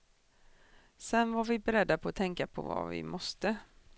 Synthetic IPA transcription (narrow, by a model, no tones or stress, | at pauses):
sɛnvaɾvɪbɛɾɛd̪ːapʰɔːt̪ʰɛŋkapʰɔ̰va̰vɪ̰mɔst̪ə